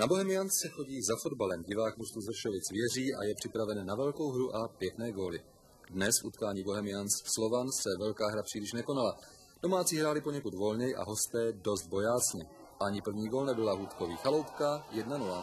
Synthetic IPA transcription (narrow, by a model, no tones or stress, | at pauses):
nabo̞ɦɛmɪjanssɛxo̞ɟiːzafo̞dbalɛmɟɪvaːkmust̪uzr̩ʃovɪt͡svjɛr̝iːʔa̰jɛpr̥ɪpɾavɛnːavɛlko̞wɦɾuʔapjɛknɛːɡo̞ːlɪ | dnɛsfṵt̪kaːɲiːbo̞ɦɛmɪjansfslo̞vansɛvɛlkaːɦɾapr̥iːlɪʃnɛkonala | d̥o̞maːt͡siːɦɾaːlɪpoɲɛkut̪vo̞lɲɛjʔa̰ɦo̞st̪ɛːdo̞st̪̚bo̞jaːt͡sɲɛ | ʔaɲɪpr̩vɲiːɡolnɛbɪlaɦuːt̪ko̞vḭːxalo̞wpkajɛdnanula